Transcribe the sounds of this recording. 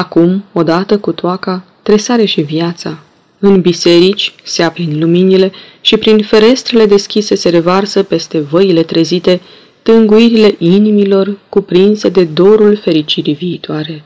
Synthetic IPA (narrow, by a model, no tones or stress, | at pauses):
akumo̞d̪at̪əkut̪oaka | t̪ɾe̞saɾeʃiviat̪sa | ɨnbise̞ɾit͡ʃʲseapɾinluminile̞ | ʃipɾinfe̞ɾe̞st̪ɾe̞le̞d̪e̞skʲise̞se̞ɾe̞varsəpe̞st̪e̞vəile̞t̪ɾe̞zit̪e̞ | t̪ɨŋɡuiɾile̞ʔinimilo̞rkupɾinse̞d̪e̞d̪o̞ɾulfe̞ɾit͡ʃiɾiviːt̪oaɾe̞